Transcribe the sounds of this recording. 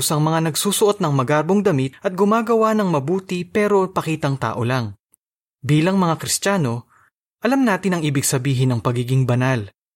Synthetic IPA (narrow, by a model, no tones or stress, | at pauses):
sɐŋmɐŋanɐɡsuːsʊʔo̞t̪̚nɐŋmɐɡaɾboŋd̪ɐmɪt̪̚ʔɐt̪̚ɡʊmaːɡɐwanɐŋmɐbuːt̪ɪpɛːɾo̞pɐkiːt̪ɐŋt̪a̰ːʔo̞laŋ | biːlɐŋmɐŋakɾɪst̪t͡ʃaːno̞ | ʔɐlamnaːt̪ɪnɐŋʔiːbɪɡsɐbiːɦɪnɐŋpɐɡiːɡɪŋbɐnal